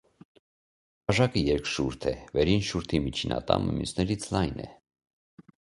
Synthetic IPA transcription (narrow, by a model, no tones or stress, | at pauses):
ɑʒɑkəjɛɾkʃuɾt̪ʰɛvɛɾinʃuɾt̪ʰimit͡ʃʰinɑ̰t̪ɑ̰məmjusnɛɾit͡sʰlɑjnɛ̰